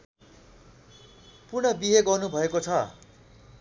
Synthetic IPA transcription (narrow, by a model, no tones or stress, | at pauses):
purnʌbiɦeɡʌrnubʱʌekot͡sʰʌ